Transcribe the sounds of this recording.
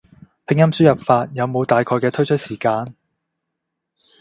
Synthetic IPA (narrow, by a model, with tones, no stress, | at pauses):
pʰɪ˧ŋjɐ˥msyː˥jɐ˨p̚faː˧t̚jɐ˨˧wmo˨˧wt̪aː˨jkʰɔː˧jkɛː˧t̪ʰɵ˥ɥt͡ʃʰɵ˥t̚siː˨˩kaː˧n